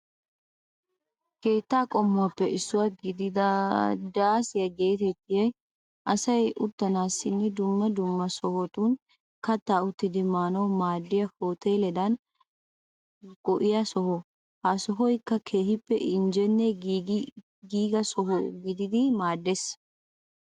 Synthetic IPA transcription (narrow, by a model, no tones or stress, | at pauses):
ke̞ːt̪ːaːkʼɔmːʊwɐpːɛʔɪsːʊwaɡɪd̪ɪd̪ɐd̪aːsɪjɐɡe̞ːt̪ɛt̪ːɪjɛj | ʔɐsɐjʊt̪ːɐnaːsːɪnːɛd̪ʊmːɐd̪ʊmːɐsɔhɔt̪ʊn | kɐt̪ːaːʊt̪ːɪd̪ɪmaːnɐwmaːd̪ːɪjɐhoːt̪eːlɛd̪ɐn | ɡɔʔɪjɐsɔhɔ | hasɔɦɔjkːɐkʰeːhɪpːɛʔɪnd͡ʒɛnːɛ | ɡiːɡɐsɔhɔɡɪd̪ɪd̪ɪmaːd̪ːes